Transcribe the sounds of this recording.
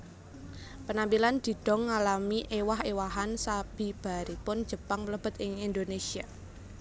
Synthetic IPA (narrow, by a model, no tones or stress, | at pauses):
pənampiland̪̥i̤d̪̥ɔ̤ŋːalamiʔewahewaɦansab̥i̤b̥a̤ɾipʊn̥d͡ʒ̥ə̤paŋpələb̥ə̤t̪ɪŋind̪onesia